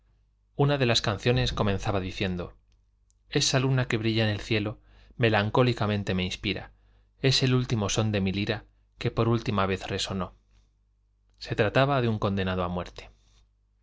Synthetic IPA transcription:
unaðe̞laskan̟θjo̞ne̞sko̞mẽ̞nθaβaðiθje̞nd̪o̞̰ | e̞salunake̞βɾiʝaene̞lθje̞lo̞ | me̞laŋko̞likamẽ̞nt̪e̞me̞inspiɾa̰ | e̞se̞lult̪imo̞so̞nd̪e̞miliɾa | ke̞po̞ɾult̪imaβ̞e̞θre̞so̞no̞ | se̞t̪ɾat̪aβaðeuŋko̞nd̪e̞nað̞oamwe̞ɾt̪e̥

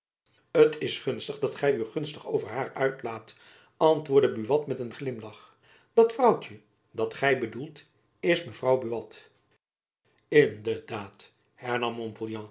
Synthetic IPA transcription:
ətʰɪsχɵnstəχdɑtχɛjyχɵnstəχowvəɹɦaːɹœɥtlaːt | ɑntʋʊːɹdəbyʋɑtmɛtənχlɪmlɑχ | d̥ɑtfrɑwt͡ʃə | dɑtχɛjbədulˠt | ɪsməvrɑwbyʋɑt | ɪndəɹdaːt | hɛɹnɑmːɔ̃mpolˠjɑ̃

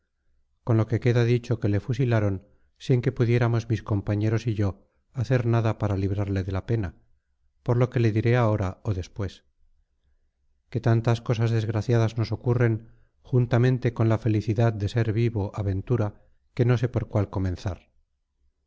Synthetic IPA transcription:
ko̞nlo̞ke̞ke̞ðaðit͡ʃo̞ke̞le̞fusilaɾo̞n | siŋke̞puðje̞ɾamo̞zmisko̞mpaɲe̞ɾo̞siʝo̞ | aθe̞ɾnaðapaɾaliβɾaɾle̞ðe̞lape̞na | po̞ɾlo̞ke̞le̞ðiɾe̞ao̞ɾaoðe̞spwe̞s | ke̞t̪ant̪asko̞s̬azðe̞zɣɾaθjaðazno̞so̞kure̞ŋ | xunt̪amẽ̞nt̪e̞ko̞nlafe̞liθiðaðd̪e̞se̞ɾβiβoʔaβe̞nt̪uɾa | ke̞no̞s̬e̞po̞ɾkwalko̞mẽ̞nθaɾ

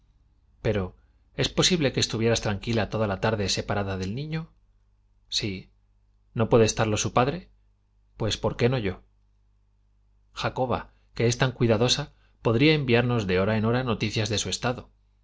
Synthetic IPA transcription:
pe̞ɾo̞ | e̞spo̞siβle̞ke̞ːst̪uβje̞ɾast̪ɾaŋkilat̪o̞ðalat̪aɾðe̞se̞paɾaðaðe̞lnĩɲo̞ | si | no̞pwe̞ðest̪aɾlo̞supaðɾe̞ | pwe̞spo̞ɾke̞no̞ʝo̞ | xako̞βa̰ | ke̞e̞st̪aŋkwiðaðo̞sa | po̞ðɾiae̞mbiaɾno̞zðe̞o̞ɾae̞no̞ɾano̞t̪iθjazðe̞sue̞st̪aðo̞

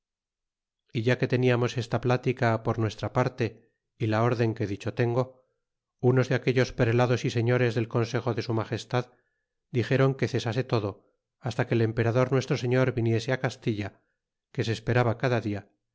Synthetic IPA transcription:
iʝake̞t̪e̞niamo̞se̞st̪aplat̪ikapo̞ɾnwe̞st̪ɾapaɾt̪e̞ | ilao̞ɾðe̞ŋke̞ðit͡ʃo̞t̪e̞ŋɡo̞ | uno̞zðeake̞ʝo̞spɾelaðo̞sise̞ɲo̞ɾe̞zðe̞lko̞nse̞xo̞ðe̞sumaχe̞st̪að | d̪ixe̞ɾo̞ŋke̞θe̞sase̞t̪o̞ðo | ast̪ake̞ːle̞mpe̞ɾaðo̞ɾnwe̞st̪ɾo̞se̞ɲo̞ɾβinje̞se̞akast̪iʎa | ke̞s̬eːspe̞ɾaβakaðaðia

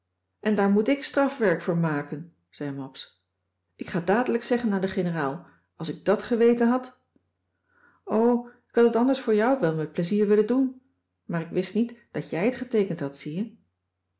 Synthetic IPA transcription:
ʔɛndaːɹmutɪkstrɑfʋɛɹkfʊːɹmaːkən | z̥ɛjmɑps | ʔɪkχaːdaːdələksɛχənaːndəχɪnəraːlˠ | ɑlˠsɪɡ̚dɑtχəʋejtənɦɑt | owɪ̥khɑtətɑndəɹsfʊːɹjɑwʋɛlˠmɛt̚pləziːɹʋɪləndun | maːɾɪkʋɪstnitd̥ɑtjɛjətχətejkəntɦɑtsijə

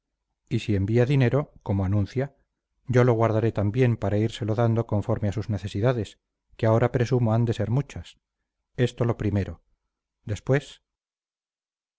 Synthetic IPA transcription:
isie̞mbiaðine̞ɾo̞ko̞moanũnθja | ɟ͡ʝo̞lo̞ɣ̞waɾðaɾe̞t̪ambje̞mpaɾaiɾse̞lo̞ðand̪o̞ko̞ɱfo̞ɾmeasuzne̞θe̞siðaðe̞s | keao̞ɾapɾe̞sumoand̪e̞se̞ɾmut͡ʃas | e̞st̪o̞lo̞pɾime̞ɾo̞ | d̪e̞spwe̞s

